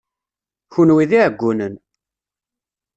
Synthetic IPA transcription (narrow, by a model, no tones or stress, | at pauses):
çunwiðiʕəɡʷːunən